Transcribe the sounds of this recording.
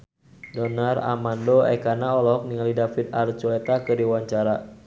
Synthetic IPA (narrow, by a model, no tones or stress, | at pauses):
dɔnara̰mandoɛ̰kanaɔlɔɦɔk̚niŋalidafid̪aɾ̚t͡ʃwɛt̪akədiwaɲt͡ʃaɾa